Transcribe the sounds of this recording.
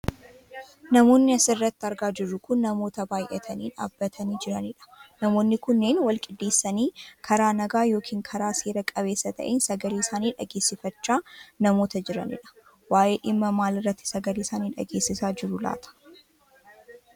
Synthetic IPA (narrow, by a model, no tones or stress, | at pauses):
nɐmo̞ːnːɪɐsɪrːɐt̪ːɐɾɡaːd͡ʒɪrːʊkʊnːɐmo̞ːt̪ɐbaːjʔɛ̰t̪ʰɐniːna̰ːbːɐt̪ʰɐniːd͡ʒɪɾɐnɪᶑɐ̥nɐmo̞ːnːɪkʊnːeːnwɐlkʼɪd̪ːe̞ːsːɐniːkʰɐɾaːnɐɡaːjo̞ːkʰiːŋkʰɐɾaːseːɾɐkʼɐβe̞ːsːɐt̪ʰɐ̰ʔeːnsɐɡɐliːɪsaːniːᶑɐɡe̞ːsːɪfɐt͡ʃːaːnɐmo̞ːt̪ɐd͡ʒɪɾɐ̰nɪ̰ᶑɐ̥ | waːjʔe̞ːᶑɪmːɐmaːlɪrːɐt̪ːɪ̥sɐɡɐliːsaːniːᶑɐ̰ɡe̞ːsːɪsaːd͡ʒɪɾʊla̰ːt̪ʰɐ̥